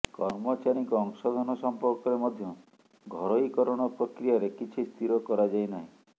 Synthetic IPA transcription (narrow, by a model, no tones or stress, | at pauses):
kɔɾmɔt͡ʃaɾikɔːŋsɔd̪ʱɔnɔsɔmpɔɾkɔɾemɔd̪ʱjɔ | ɡʱɔɾɔikɔɾɔɽ̃ɔpɾɔkɾijaɾekit͡ʃʰist̪iɾɔkɔɾad͡ʒajnaɦĩ